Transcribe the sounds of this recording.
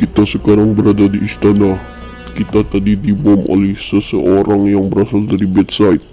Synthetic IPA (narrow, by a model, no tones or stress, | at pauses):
kit̪asəkaɾaŋbəɾadadiːst̪anah | kit̪at̪adidibɔmo̰lɛhsəsəʔoɾaŋjaŋbəɾasaldaɾibɛt̪sait̪̚